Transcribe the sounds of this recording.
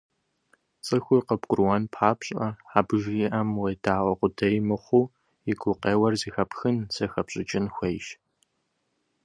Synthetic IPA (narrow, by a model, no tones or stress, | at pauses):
t͡sʼɨxʷʊrqɐbkʷʼʊrwɐnpʰħaːpɕʼɐħaːbɨʒiːʔɐmwejdʰaːʔʷʼɔqʷʊdɐjmɨχʷu | jɪɡʷʊqeːwɐrziːxɐpxɨnsɐxɐpɕʼɪt͡ʃʼɪnxʷejʃ